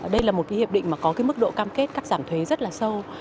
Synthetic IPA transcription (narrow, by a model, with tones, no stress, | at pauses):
ɗə˧jlaː˨˩mo˨˩kːhḭ˧˨p̚ɗï˧˨ŋ̟maː˨˩kɔ˨˦kaː˨˦jmɨ˦˥k̚ɗo̰˧˨kaː˧mke˦˥t̚kaː˦˥k̚zaː˧˩mt̪ʰwe˨˦zə˦˥t̚laː˨˩sə˧w